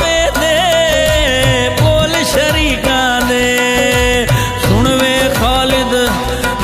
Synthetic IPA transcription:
eːd̪eː | poːlɪʃəɾiːkãːd̪eː | sʊɳʋeːkʰɔːlɪd̪

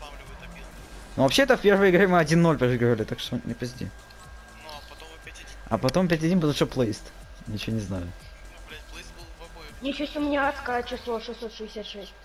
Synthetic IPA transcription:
novɐpɕeɛt̪əfpʲe̞rvɨjɪɡɾʲemɨɐdʲinːolʲpɾəɨɡɾəvəlʲɪt̪akʂt̪onʲɪpʲɾʲɪzʲdʲḭ | ɐ̰pɐt̪o̞mpʲɛt̬ʲɐdʲinmpɐt̪mʂoplˠɐist̪ | nʲɪt͡ɕɪvonʲɪznajʊ | nʲɪt͡ɕusʲt̪ʲʊmʲnʲaɐt̪skat͡ɕɪslˠoʂɨsːot̪ːɨsʲat̪ʂɛsʲ

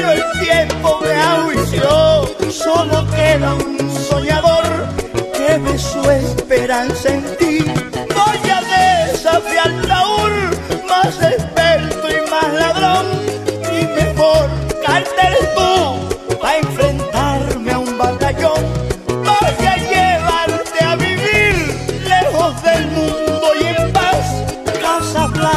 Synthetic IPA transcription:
ɾoelt̪jempo̞meaɣwiʝosoloke̞ðaunso̞ɲaðo̞ɾkeβesuespeɾansaent̪ibaʎaðesafjalaulmase̞speɾt̪oimaslaðɾoŋbimexoɾkaɾt̪elt̪opae̞ɱfɾe̞nt̪aɾmeaumbat̪aʎo̞ŋboʎaʎeβaɾt̪eaβiβiɾle̞xo̞zðe̞lmũnd̪ojempaslasaβla

